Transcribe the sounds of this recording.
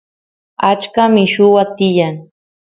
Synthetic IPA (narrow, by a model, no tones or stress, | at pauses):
at͡ʃkamɪʃʊwat̪ɪjaŋ